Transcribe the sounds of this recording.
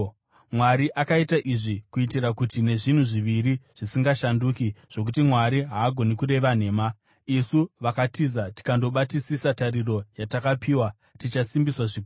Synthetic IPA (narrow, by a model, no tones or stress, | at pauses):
mwaɾiʔakaitaʔiʐikuitirakutine̞ʐin̤uʐiʋiɾiʐ̥isiŋɡaʃanduːkiʐ̥o̞k̬utimwaɾiɦaːɡʱo̞nikuɾe̞ʋan̤e̞ːma | isuʋakatizati̥kando̞ɓatisisataɾiro̞jatakapiːwa | tit͡ʃasimbiswaʐikː